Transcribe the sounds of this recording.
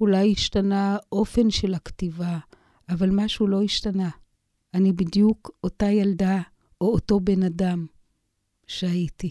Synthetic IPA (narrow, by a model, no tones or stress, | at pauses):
ulajiʃtanaʔo̞fe̞nʃe̞laktivaː | valmaʃulo̞iʃtana | anibidjukotajalda | ʔoːto̞be̞nadam | ʃeaiti